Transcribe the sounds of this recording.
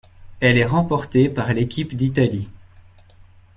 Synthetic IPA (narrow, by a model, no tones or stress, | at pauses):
ɛlɛʁɑ̃pɔʁt̪epaʁlekʲipd̪it̪ali